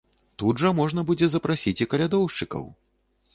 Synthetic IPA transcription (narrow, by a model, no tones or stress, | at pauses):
t̪ud̪ʐɐmɔʐnɐbud͡zʲɛzɐpɾasʲit͡sʲikɐlʲad̪ɔwʂt͡ʂɨkɐ̰w